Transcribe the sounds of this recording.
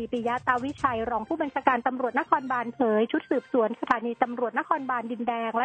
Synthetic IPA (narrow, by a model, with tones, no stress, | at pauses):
iː˨˩piː˧ja˦˥t̪a˧wi˦˥t͡ɕʰa˧jɾɔː˧ŋpʰuː˥˩ba˧nt͡ɕʰaː˧kaː˧nt̪a˧mɾu˨˩t̪̚na˦˥kʰɔː˧nbaː˧npʰɤː˩˦jt͡ɕʰu˦˥t̪̚sɯː˨˩p̚su˨˩˦ənsa˧t̪ʰaː˨˩˦niː˧t̪a˧mɾu˨˩ət̪̚na˦˥kʰɔː˧nbaː˧ndi˧ndɛː˧ŋlɛ˦˥